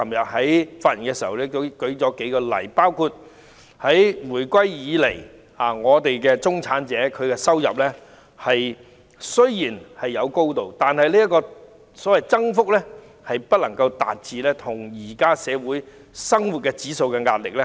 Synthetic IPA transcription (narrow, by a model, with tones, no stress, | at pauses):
kʰɐ˨˩mjɐ˨t̚ɦɐ˨˥jfaː˧t̚ji˨nkɛ˧siː˨˩hɐ˨wlɛ˥˧˥kɵ˨˥ɥt͡sɔː˨˥ke˨˥jkɔː˧lɐ̰˨˩jpaː˥wkʰuː˧t̚ | hɐ˨˥jmuː˨˩jkʷwɐ˥jjiː˨˧le˨˩j | aː˨˩ŋɔː˨˧t̪e˨jkɛː˧t͡sʊ˥ŋt͡sʰaː˨˥nt͡sɛː˨˥kʰɵ˨˧ɥkɛ˧sɐ˥wjɐ̰˨p̚lɛː˥ | hɐ˨j | sɵ˥ɥjiː˨˩nhɐ˨jːɐ˨˧wko˥wt̪o˨wt̪aː˨nhɐ˨jliː˥jɐ˥t̚kɔː˧ | sɔː˨˥wɐ˨jt͡sɐ˥ŋfʊ˥k̚lɛː˥ | hɐ˨jpɐ˥t̚lɐ˨˩ŋkɐ˧wt̪a̰ː˨t̚t͡siː˨lɛː˥t̪ʰʊ˨˩ŋjiː˨˩kaː˥sɛː˨˧wuː˨˥j | sɐ˥ŋwu˨t̚kɛ˧t͡siː˨˥so˧wkɛ˧ŋaː˧t̚lɪ˨k̚lɛ˥